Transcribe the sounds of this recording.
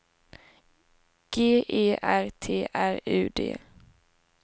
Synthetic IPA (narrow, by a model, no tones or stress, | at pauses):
ɡ̥eːʔeːʔæɾt̪ʰeːʔæɾʉ̟̰ːd̪ḛː